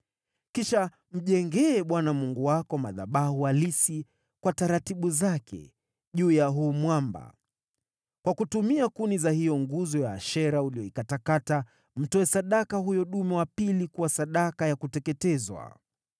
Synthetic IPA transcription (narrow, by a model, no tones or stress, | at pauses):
kiʃa | m̩ʄɛŋɡɛːɓwanamuŋɡuwakɔmaða̰ɓahuwalisi | kwataɾatiɓuzakʰɛ̰ | ʄuːjaɦuːmwamba̰ | kwakutumiakunizahijɔŋɡuzɔjaːʃɛɾauliɔikatakata | m̩tɔɛsaɗakahujɔɗumɛwapilikuwasaɗakajakutɛkɛtɛzwa̰